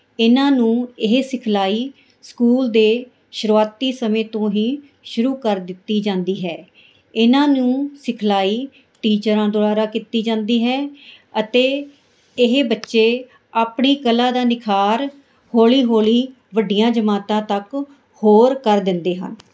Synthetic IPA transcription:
ɪnãːnũːɪɦsɪkʰlaːiː | skuːld̪eː | ʃʊɾuaːt̪iːsəmẽːt̪õːɦiː | ʃʊɾuːkəɾd̪ɪt̪ːiːd͡ʒãːnd̪iːɦɛː | ɪnãːnũːsɪkʰlaːiː | ʈiːt͡ʃəɾãːd̪ʊɽaːɾaːkiːt̪iːd͡ʒãːnd̪iːɦɛː | ət̪eː | ɪɦbətːʃeː | aːpɳiːkəlãːd̪aːnɪkʰaːɾ | hoːliːɦoːliː | ʋəɖɪijãːd͡ʒəmaːt̪ãːt̪ək | hoːɾkəɾd̪ɪ̃nd̪eːɦə̰n

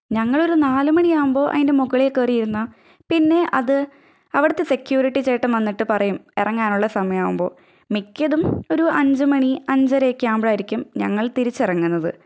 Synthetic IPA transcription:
ɲɐŋːɐɭo̞ɾunaːlumɐɳijaːʋumbo̞ːʔɐ̰ðinde̞muɣɐɭekːeːrijiɾunːɐ | pinːe̞ʔɐðɨ | ɐʋiɽɐt̪ːe̞se̞kjuːɾiʈːit͡ɕeːʈːɐmʋɐnːiʈːɨpɐrɐjumirɐŋːaːnuɭːɐsɐmɐjaːʋumbo̞̰ː | mikʲːɐðumo̞ɾuʔɐɲd͡ʑɨmɐɳiɐɲd͡ʑɐɾekʲːaːmbɽaːjiɾikʲːumɲɐŋːɐɭt̪iɾit͡ɕːirɐŋːunːɐðɨ

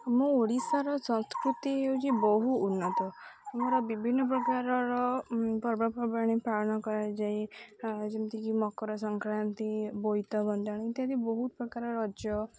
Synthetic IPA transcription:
mũoɽisaɾɔsɔ̃nskɾut̪ieut͡ʃʰibɔɦuːnːɔt̪ɔmoɾɔbibʱinːɔp̬ɾɔkaɾɔɾɔpɔɾbapɔɾbaɽ̃ipɾaɭɔnɔkɔɾad͡ʒai | d͡ʒemt̪ikimɔkɔɾɔsɔŋkɾant̪ibojt̪ɔbɔnd̪aɽ̃iit̪jat̪ibɔɦut̪̚pɾɔkaɾɔɾɔd͡ʒjɔ

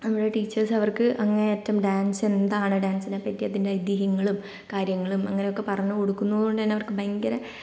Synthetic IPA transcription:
nɐmːɐɽeʈiːt͡ɕːɐrsɐʋɐrkɨʔɐŋːɐneeːtːɐmɖaːnse̞nd̪aːɳɨɖaːnsinepːɐtːijɐðindeɐjd̪iɦɐŋːɐɭum | kaːɾjɐŋːɐɭumɐŋːɐne̞jo̞kːe̞pɐrɐɲːuko̞ɽukːunːɐðuo̞ɳɖɨt̪ɐnːeɐʋɐrkɨbɐjŋɡɐɾɐ

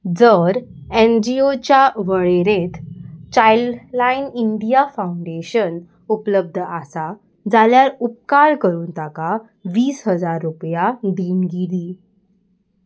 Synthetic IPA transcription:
d͡zəɾend͡ʑiot͡ɕjaʋəɭeɾet̪t͡ɕajllainiɳɖijafauɳɖeɕən | upləb̚d̪ʱəʔasa | d͡zaljaɾup̚kaɾkəɾuːnt̪aka | ʋiːsɦəd͡zaɾːupjad̪iːnɡiliː

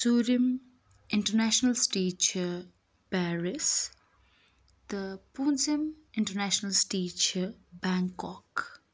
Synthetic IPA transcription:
suːɾim | ɪ̃ɳʈəɾnæʃnəlsʈiːt͡ʃʰ | paːɾɪs | d̪əpũːnsim | ɪ̃ɳʈəɾnæʃnəlsʈiːt͡ʃʰbãŋkɔk

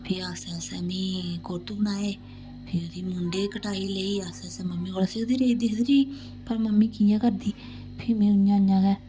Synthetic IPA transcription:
pʰɪɾasɛ̃ːsɛ̃ːniːkoːt̪ubnaːeː | pʰɪɾod̪iːmʊɳɖeːkəʈaːiːləiːaːsɛ̃ːsɛ̃ːməmːiːkolaseːd̪iːɾeːd̪iːd̪ɾiː | pəɾməmːiːkiːjãːkəɾd̪iː | pʰɪɾmɛ̃ːʊnjãːnjãːɡɛː

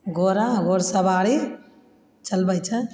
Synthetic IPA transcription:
ɡoːɾãɡoːɾsəbaːɽi | t͡ʃɐlbəjt͡ʃʰə

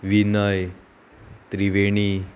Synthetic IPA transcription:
ʋinəj | t̪ɾiʋeɽ̃i

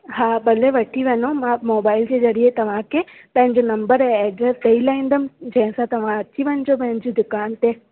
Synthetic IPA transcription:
ɦaːbɐleʋɐʈʰiʋɐnomãmoːbaːɪld͡ʑeːzɐɾiet̪ɐʋ̤ãkʰe | pɐ̃ɦɪ̃ɲd͡ʑonɐ̃mbəɾɛ̃eːɖət̪ɐilaːĩːnd̪əmɪ̆d͡ʑɐ̃ɦɪ̃sãt̪ɐʋ̤ãɐt͡ɕiʋɐnɪd͡ʑop̬ɐ̃ɦɪ̃ɲd͡ʑid̪ʊkaːnt̪e

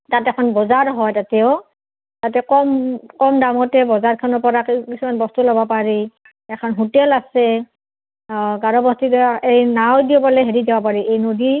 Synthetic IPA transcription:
tatɛkʰɔnbɔzaɹɦɔjtatɛʊ | tatɛkɔmkɔmdamɔtɛbɔzaɹkʰanɔɹpɔɹakkisumanbɔstulɔbapaɹi | ɛkʰɔnɦutɛlasɛ | ɡaɹɔbɔstiejnawdiɔbɔlɛɦeɹid͡ʒɛbapaɹiʔejnodi

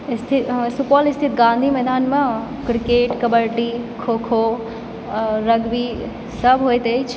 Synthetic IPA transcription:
st̪ʰisupɔlist̪ʰit̪ɡãnd̪ʱimɛd̪anmekɾikeʈkəbəɾʈikʰokʰo | ɾəɡbi | səbʱɦojt̪əjt͡ʃʰ

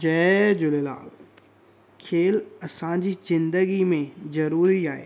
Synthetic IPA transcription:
d͡ʒɛd͡ʑʊlela̰ːl | kʰeːlɐsãd͡ʑizɪ̃nd̪əɡimẽzɐɾuːɾiaːḛː

